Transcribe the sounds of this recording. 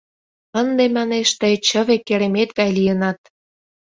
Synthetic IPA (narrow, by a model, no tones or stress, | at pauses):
ənd̪emɑneʃt̪ət͡ɕəβekːeɾemet̪ɡɑjlijənɑt̪̚